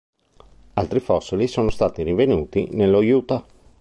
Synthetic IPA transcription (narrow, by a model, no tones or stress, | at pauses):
alt̪ɾifɔsːilisoːnost̪aːt̪irivenuːt̪ḭnelːojuːt̪a